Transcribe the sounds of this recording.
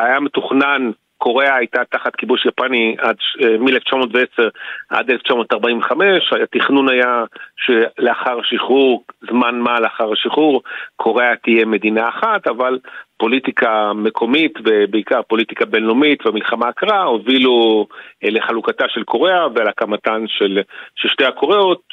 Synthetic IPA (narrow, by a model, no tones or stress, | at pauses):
ajame̞tuχnan | ko̞ʁe̞aajtat̪aχat̪kibuʃjapaniadʃemieleft͡ʃamo̞ːtveeseʁʔa̰deleft͡ʃamotaʁbaimveχame̞ʃajat̪iχnunajaʃeleaχaʁhaʃiχuʁzmanmaleaχaʁhaʃiχuʁkʰo̞ʁeat̪ije̞me̞d̪inaːχatavalpo̞litikʰame̞kʰo̞mit̪vebeikaʁpo̞lit̪ikabe̞nlomitveamilχamaːkʁahovilu | leχalukataʃelkʰo̞ʁeavealakamatanʃelʃelʃtejako̞ʁeot̪̚